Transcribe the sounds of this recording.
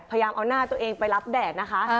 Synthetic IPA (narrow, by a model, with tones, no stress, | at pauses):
a˧ja˧jaː˧mʔa˧wnaː˥˩t̪u˧əʔeː˧ŋpa˧jla˦˥p̚dɛː˨˩k̚na˦˥kʰa˦˥ʔ